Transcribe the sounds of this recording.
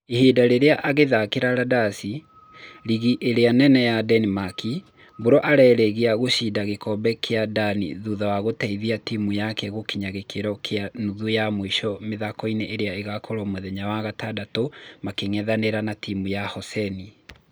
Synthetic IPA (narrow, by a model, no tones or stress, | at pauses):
ehedaɾeɾeaʔaɣeðakeɾaɾadasi | ɾiɣiʔeɾeanɛnɛjadɛnimaki | boɾɔʔaɾɛɾɛɣeaɣoɕiːdaɣekɔbɛkʰeadanḭðuðawaɣotɛiðiatimujakɛɣokiɲaɣekʰeɾɔkʰeanuðujamoiʃɔmeðakɔineʔeɾeaeɣakoɾɔmoðɛɲawaɣatadatomakeŋɛðaneɾanatimujahɔsɛni